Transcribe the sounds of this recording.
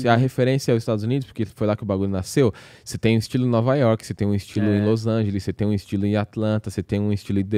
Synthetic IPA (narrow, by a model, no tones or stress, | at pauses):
ɐɦefeɾẽsiɐɛzist̪ad̪ʊzunid̪ʊspoɾkefojlakɪʊbaɡuʎʊnasew | set̪ẽj̃ũist͡ʃilʊ̃nɔvajɔɾkɪset̪ẽj̃ũist͡ʃilʊẽj̃lozɐ̃ʒelɪset̪ẽj̃ũist͡ʃilʊẽat̪lɐ̃nt̪ɐset̪ẽj̃ũist͡ʃilʊẽd̪e